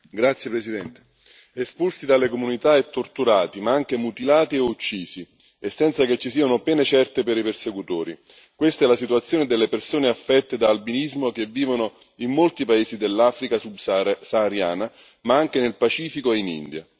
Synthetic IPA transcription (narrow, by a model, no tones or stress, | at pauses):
ɡɾat̪sjepɾesid̪ɛnt̪e̥ | espulsid̪alekomunit̪aɛt̪ːort̪uɾaːt̪imaaŋk̟emut̪ilaːt̪ieut͡ʃːiːsi | esːɛnt̪saket͡ʃːisiːanopɛːnet͡ʃɛrt̪epeɾipersekut̪oːɾi | kwest̪aɛlasit̪uat̪sːjoːned̪elːepersoːneafːɛt̪ːed̪aːlbinizmok̟evːiːvono | imːolt̪ipaeːsid̪elːaːfɾikasubsaːɾja̰ːna | maaŋk̟enelpat͡ʃiːfikoeinḭnd̪ja̰